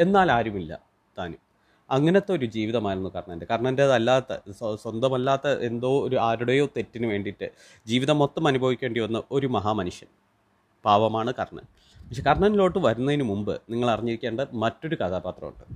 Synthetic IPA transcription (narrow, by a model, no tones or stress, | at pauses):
e̞nːaːlaːɾumilːɐ̰ | d̪̥aːnum | ɐŋːɐnet̪ːeoɾud͡ʑiːʋiðɐmaːlonːukɐrɳɐndekɐɾɳɐndeðɐlːaːt̪ːɐ̰swɐnd̪ɐmɐlːaːt̪ːɐʔe̞nd̪o̞ːoɾuaːɾuɽejo̞ːt̪e̞tːinɨʋe̞ːɳɖiʈːɨ | d͡ʑiːʋiðɐmo̞t̪ːɐmɐnubʱɐʋikʲːe̞ːɳɖiʋɐnːɐo̞ɾumɐɦaːmɐnuʂjɐn | paːʋɐmaːɳɨkɐrɳɐ̰n | pɐkʂe̞kɐrɳɐnlo̞ːʈːɨʋɐɾunːɐðinɨmumbɨ̰niŋːɐɭɐrɐɲːiɾikʲːeːɳɖɨmɐtːo̞ɾukɐðaːbaːt̪rɐ̰ṵɳɖɨ